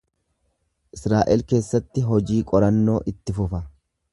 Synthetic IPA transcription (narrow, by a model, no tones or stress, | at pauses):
ʔɪsɾaːʔɛlke̞ːsːɐt̪ːɪɦɔd͡ʒiːkʼɔɾɐnːo̞ːʔɪt̪ːɪfʊfɐ